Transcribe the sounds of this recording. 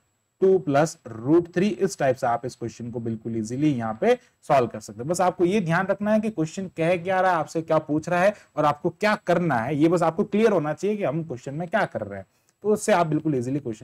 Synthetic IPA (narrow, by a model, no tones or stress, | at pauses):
ʈuːplɐsɾuːʈt̪ʰɾiːʔɪsʈaːɪpseaːpɪskwɛst͡ʃənkobɪlkʊliːzilijɐɦãpe | sɔːlkɐɾsɐk̚t̪ẽɦbɐsaːp̚kojed̪ʱjaːnɾɐkʰnaɦɛk̬ikwɛʃt͡ʃənkɛɦkjaːɾaɦɛaːpsekjaːpuːt͡ʃʰɾaaɦɛɔːɾaːp̚kokjaːkɐɾnaɦɛjebɐs̬aːp̚koklijəɾɦoːnat͡ʃaːɦijekiɦɐmkwɛst͡ʃənmẽkjaːkɐɾːḛɦɛ̃ː | t̪oʊsːeaːp̚bɪlkʊliːzilikwɛst͡ʃə